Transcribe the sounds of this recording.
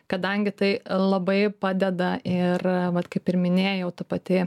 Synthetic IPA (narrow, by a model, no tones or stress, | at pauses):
kɐd̪ɐŋʲɡʲɪt̪ɐɪlˠɐbɐɪpɑːd̪ʲɛd̪ɐɪrʋɐt̪kɐɪpɪɾmʲɪnʲeːjɛʊt̪ɐpɐt̪ʲɪ